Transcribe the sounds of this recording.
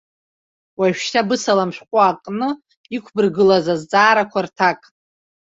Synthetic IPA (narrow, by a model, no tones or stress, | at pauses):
waʃᶣʃtʰabɨsalamʃʷᶣqʷʼaːkʼnɨ | ikʷʰbɨrɡɨlazazd͡zʼaːɾakʷʰartʰakʼ